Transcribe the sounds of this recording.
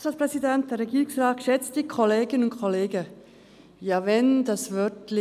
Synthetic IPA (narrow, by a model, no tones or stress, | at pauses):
salspʁ̥ɛsidɛnt̚d̥ɛːɾːɛɡiːɾʊŋsraːtʃɛt͡std̥iːkʰɔleːɡənʊntkʰɔleːɡə | jaːvɛndɑsvœtlɪ